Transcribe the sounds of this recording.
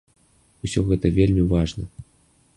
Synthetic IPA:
usʲoɣɛt̪əvʲelʲmʲivaʐnə

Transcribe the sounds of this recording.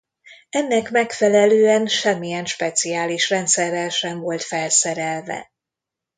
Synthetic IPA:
ɛnːɛkmɛkfɛlɛløːɛnʃɛmːijɛnʃpɛt̪sijaːliʃrɛnt̪sɛrːɛlʃɛɱvo̞lt̪fɛlsɛɾɛlvɛ̰

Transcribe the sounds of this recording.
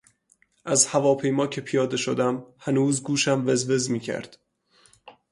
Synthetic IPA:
ʔæzhævɒːpʰe̞jmɒːcʰe̞pʰijɒːd̪e̞ʃod̪æmhænuːzɡuːʃæmvezve̞zmiːcʰæ̰ɾd̪̥

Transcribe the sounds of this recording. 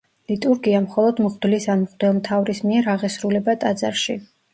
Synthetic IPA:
lit̪ʼuɾɡiamχɔlˠɔd̪mʁd̪lisanmʁd̪ɛlˠmt̪ʰavɾismiɛɾaʁɛsɾulɛbat̪ʼad̪za̰ɾʃi

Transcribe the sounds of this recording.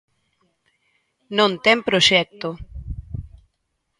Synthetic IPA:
nõnt̪ɛmpɾoʃɛk̚t̪oʊ

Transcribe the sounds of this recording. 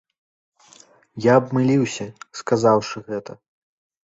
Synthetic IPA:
jaɐbmɨlʲiwsʲɐskazawʂɨɣɛt̪ɐ

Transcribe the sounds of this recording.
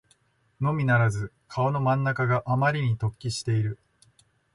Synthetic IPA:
no̞mʲinaɾazɨ | kʰao̞no̞mãnːakaɡaʔamaɾʲiɲ̟it̪o̞kʲːiɕi̥t̪e̞iɾɯ̟

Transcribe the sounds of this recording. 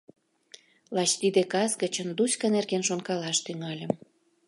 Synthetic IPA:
lɑt͡ɕt̪id̪ekɑsɡə̆t͡ɕənd̪usʲkənerɣenʃonkɑlɑʃt̪yŋɑlʲə̆m

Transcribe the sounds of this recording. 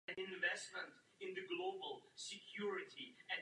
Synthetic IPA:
ɨ̃nɪ̃nvɛst̚mə̃nt | ɪ̃nðɨɡloʊbəlˠsɨkʰj̥uɹɪtʰiɨ̃

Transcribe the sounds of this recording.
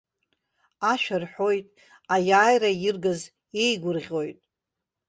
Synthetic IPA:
aʃᶣarħo̞jtʼ | ajaːjrajɪrɡaz | e̞jɡʷʊrʁʲo̞jtʼ

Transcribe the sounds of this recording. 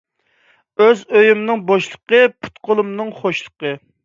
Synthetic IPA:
øzøjymnɨŋbɑʃlˠəqəpʰu̥t̪qʰolˠumnɨŋχoʃlˠəqə

